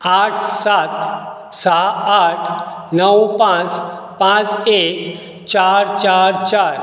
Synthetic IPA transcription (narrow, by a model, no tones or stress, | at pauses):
aʈʰsat̪ | saaʈʰnəwpãt͡s | pãt͡sek | t͡ɕaɾt͡ɕaɾt͡ɕaɾ